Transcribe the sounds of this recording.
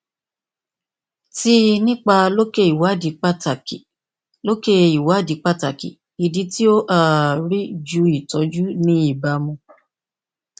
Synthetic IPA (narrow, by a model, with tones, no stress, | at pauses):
ti˦nĩ˦k͡pa˧lo˦ke˦i˨wa˨˦˨di˨˦k͡pa˦ta˨ki˨ | lo˦ke˦˧i˨wa˨˦˨di˨˦k͡pa˦ta˨kḭ˨ | i˨di˨˦ti˦o˦ʔa˦˨ɾi˦d͡ʒu˨˦i˦˨tɔ˨˦d͡ʒu˦nĩ˦i˦˨ba˧mũ˧